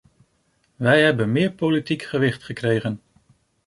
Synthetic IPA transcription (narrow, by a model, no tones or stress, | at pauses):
ʋɛjɦɛbənmɪːɹpolitikχəʋɪχtχəkrejχən